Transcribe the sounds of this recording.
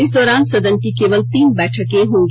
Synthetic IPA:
ɪsd̪ɔːɾaːnsɐd̪ənkikeːʋəlt̪iːnbɛːʈʰəkẽɦõːŋɡi

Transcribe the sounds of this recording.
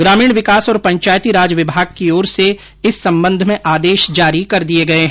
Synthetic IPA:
ɡɾaːmiːɽ̃ʋɪkaːsɔːɾpɐ̃ɲt͡ʃaːjt̪iɾaːd͡ʒəʋɪbʱaːɡ̚kioːɾse | ɪsːɐ̃mbə̃nd̪ʱmẽʔaːd̪eːʃd͡ʒaːɾikɐɾd̪ieɡɐeɦɛ̃

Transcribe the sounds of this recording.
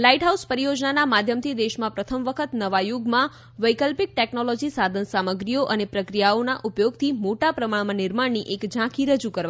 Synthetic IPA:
laiʈɦauspəɾijod͡ʒnanamad̪ʱjəmt̪ʰid̪eʃmãpɾət̪ʰəmʋəkʰət̪nəʋajuɡmã | ʋəjkəlpik̚ʈeknɔlɔd͡ʒisad̪ʱənsaməɡɾijoʔənepɾəkɾijaonaʔupjoɡt̪ʰimoʈapɾəmaɭmãnɪɾmaɳnːiʔekd͡ʒãkʰiɾəd͡ʒukəɾʋa

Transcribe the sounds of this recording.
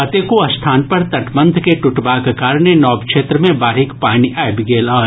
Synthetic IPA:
ɐt̪ekoɐst̪ʰaːnpɐɾt̪ɐʈbə̃nd̪ʱkeʈʊʈbaːkekaːɾɳenɔːbkʃeːt̪ɾəmẽbaːɾɦɪkpaːñiʔaːbiɡeːlaː

